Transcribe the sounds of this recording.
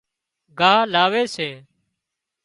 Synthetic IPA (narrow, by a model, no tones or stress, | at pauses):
ɡʱaːɦlaːʋeːseː